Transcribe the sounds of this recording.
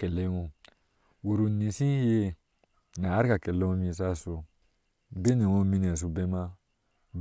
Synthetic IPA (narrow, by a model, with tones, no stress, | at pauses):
kɛ˨le˦ŋõ˧ | wu˨ɾu˨nĩ˨sĩ˦je˦ | naː˨˦ɾi˦ka˨kɛ˨le˦ŋõ˦mĩ˧˦sa˦so˧ | be˦nɛ̃˨wõ˦mĩ˦nɛ̃˨s̬u˧be˦mã˦ | b